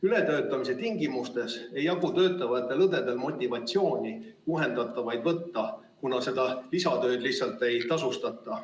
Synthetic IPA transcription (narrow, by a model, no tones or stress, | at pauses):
yle̞t̪ø̞ːt̪ːˑɑmise̞t̪iŋɡimust̪e̞se̞jːɑɡut̪ø̞ːt̪ˑːɑvɑt̪ːˑe̞lɤd̪e̞d̪e̞lmo̞t̪ʲːˑivɑt̪ʲsio̞ːnʲiuɦe̞nd̪̥ɑt̪ːˑɑvɑjd̪vɤt̪ːɑ | kunɑse̞d̪ɑlisɑt̪ø̞ːd̪̥liht̪sɑlt̪ːˑe̞jt̪ɑsust̪ɑt̪ːˑɑ